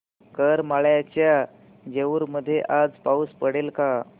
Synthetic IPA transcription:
kəɾmaɭjat͡ɕja | d͡ʑeʋuɾməd̪ʱːjeʔad͡zpauspəɽelka

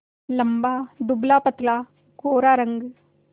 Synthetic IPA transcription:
lɐmbaːd̪ublaːpɐt̪laː | koːɾaːɾɐŋɡ

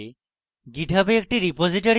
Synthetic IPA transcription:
ɡiʈʰəpeek̚ʈiɾipod͡ziʈəɾ

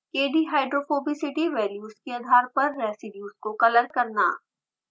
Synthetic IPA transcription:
keːɖiɦaːɪɖɾoːfoːbisɪʈiʋɛːljuːskeɐd̪ʱaːɾpɐɾːɛːsɪɖjuːskokɐləɾkɐɾna̰ː

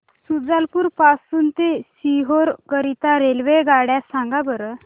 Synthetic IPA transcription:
sud͡zalpuɾpasuːnt̪esiɦoɾkəɾit̪aɾelʋeɡaɽjasãŋɡabəɾə

